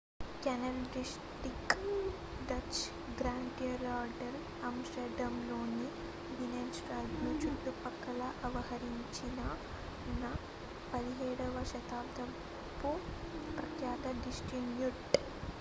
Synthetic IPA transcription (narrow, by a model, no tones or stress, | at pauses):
kɐnɐlɖis | ʈikl | ɖɐt͡ʃ | ɡɾaːɳʈijɐɾaːɾɖɐl | ɐmsʈɐɖɐmloːni | ʋinensʈɐlbnut͡ʃuʈːupɐkːɐlɐʔɐʋɐhɐɾiɲt͡ʃinɐ | nɐ | pɐliɦeːɽɐʋɐʃɐt̪aːt̪ɐ | pːupɾɐkʰjaːt̪ɐɖisʈinjuʈ